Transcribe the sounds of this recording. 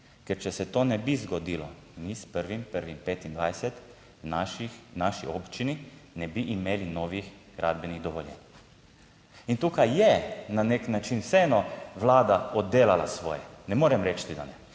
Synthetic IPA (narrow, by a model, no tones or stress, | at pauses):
kɛɾt͡ʃɛsɛt̪oːnɛbizɡɔd̪iːlɔ | mispəɾʋimpəɾʋimpeːt̪ind̪ʋajsɛt̪ | wnaʃinaʃiɔːpt͡ʃininɛbiʔimeːlinɔːʋix | ɡ̥ɾʔa̰d̪bɛniɣd̪ɔʋɔljɛ̰n | int̪uːkajjɛnaneknat͡ʃinwsɛɛnɔʋlaːd̪aɔd̪ːeːlala̰sʋɔ̰ːjɛnɛmoːɾɛmɾɛt͡ʃt̪id̪a̰nɛ